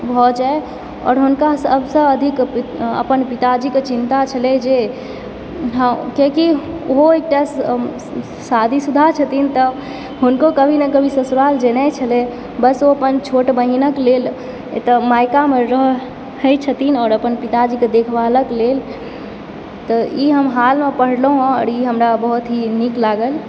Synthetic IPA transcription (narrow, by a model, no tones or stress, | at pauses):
bʱɔd͡ʒae | ɔ̰ːɾɦunkasəbsə̃bəd̪ʱikə̰pənpit̪ad͡ʒiket͡ʃint̪at͡ʃʰəlɛd͡ʒe | ɦə̃keki | oɦoek̚ʈas | sad̪ʱisud̪ʱat͡ʃʰət̪int̪ə | ɦunkokəbʱinekəbʱisəsɾald͡ʒenɛt͡ʃʰəlɛ | bəsoəpənt͡ʃʰoʈbəɦinəklel | t̪əmajkameɾəɦ | həjt͡ʃʰət̪inɔːɾəpənpit̪ad͡ʒiked̪ekʰbaləklel | t̪ɔiɦəmɦalmepəɽ̤ləɦõɔ̰ɾiɦəmɾabəɦut̪ɦiniklaɡəl